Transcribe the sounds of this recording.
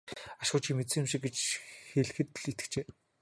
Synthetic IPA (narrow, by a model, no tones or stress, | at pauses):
aʃ̆χʊːt͡ɕʰimet̪t͡ssɘ̆ːŋjʊmʃɪ̆k̚ɡet͡ɕxeɮ̆xɘ̆t̪ɮit̪ɘ̥̆t͡ɕeː